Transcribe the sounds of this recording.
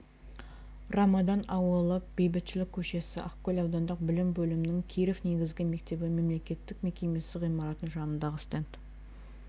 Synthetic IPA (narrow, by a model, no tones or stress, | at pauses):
rɑmɑd̪ɑnɑwəlˠəb̥e̞jbɪt̪ʃɪlɪkʲʰːɵʃe̞sɪʔɑqkʲːɵlʲɑwd̪ɑnd̪ɑq̚bɪlɪmbɵlɪmɪnɪŋkʲʰijɾefne̞ɡʲɪzɡʲɪme̞k̚t̪e̞bɪme̞mle̞kʲe̞t̪ːɪk̚me̞kʲe̞me̞sɪʁijmɑɾɑt̪ənʒɑnənd̪ɑʁəst̪ent̪